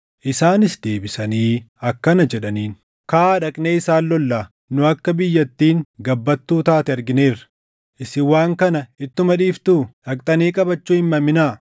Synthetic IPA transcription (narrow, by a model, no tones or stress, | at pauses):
ʔɪsaːnɪsd̪e̞ːbɪsɐniːɐkːɐnɐd͡ʒɛᶑɐniːn | kaːᶑɐkʼne̞ːɪsaːlːɔlːaː | nʊɐkːɐbɪjːɐt̪ːiːŋɡɐbːɐt̪ːuːt̪aːt̪ɛɐɾɡɪneːrɐ̥ | ʔɪsɪwaːŋkɐnɐɪt̪ːʊmɐᶑiːft̪uːᶑɐkʼt̪ʼɐniːkʼɐbɐt͡ʃːuːɪmːɐmɪnaː